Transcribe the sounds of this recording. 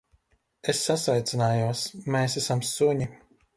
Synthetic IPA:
esːasvajt̪sʲinaːjuɔsmeːs̬æsamsuɲi

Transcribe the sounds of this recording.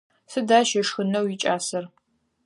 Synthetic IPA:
sɨdaːʃɐʂxɨnɐwit͡ʃʼaːsɐr

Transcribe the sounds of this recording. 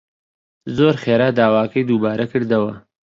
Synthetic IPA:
zoːɾxeːɾaːd̪aːwaːkɐjd̪ubaːɾɐkɨɾd̪ɐwɐ

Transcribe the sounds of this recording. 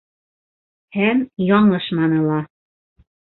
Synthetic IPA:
hæmjɑŋɤ̆ʃmɑnɤ̆lɑ

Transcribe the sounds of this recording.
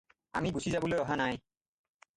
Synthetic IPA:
a̰mibusʰizabolojɔɦanaj

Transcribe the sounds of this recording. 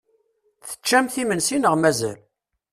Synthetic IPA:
θə̥t͡ʃːæmθimənsinəʁmæzæ̰l

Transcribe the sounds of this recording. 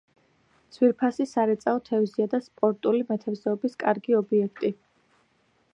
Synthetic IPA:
t̪sʰwiɾpʰasisaɾɛt̪sʼaɔt̪ʰɛvziad̪aspʼɔɾt̪ʼulimɛt̪ʰɛvzɛɔbiskʼaɾɡiɔbiɛkʰt̪ʼi

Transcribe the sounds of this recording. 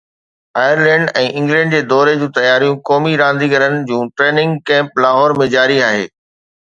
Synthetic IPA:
aːɪəɾlɛ̃ːɳɖɛ̃ːʔɪ̃ŋɡlɛ̃ːɳɖd͡ʑeːd̪ɔːɾed͡ʑũːt̪ɐjaːɾijũkɔːmiɾãːnd̪iɡəɾənɪ̆d͡ʑũːʈɾeːnɪ̃ŋɡkɛ̃ːmplaːɦɔːɾmẽd͡ʑaːɾiaːɦḛː

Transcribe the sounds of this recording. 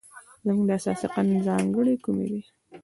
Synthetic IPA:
zamuɡd̪əasɑ̰siqanunzɑŋɡəɽekumḛd̪i

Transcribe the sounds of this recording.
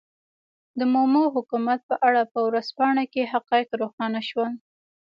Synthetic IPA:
d̪əmomoɦʊkumat̪̚pəʔaɽapəwɾaspɑɳakeɦaqɑjqɾoxɑnaʃwal

